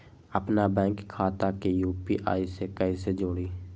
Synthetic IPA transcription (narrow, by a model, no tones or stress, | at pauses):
əpnabɛ̃ːŋkkʰːaːt̪akejuːpiʔa̰ːisekəised͡ʒoːɽiː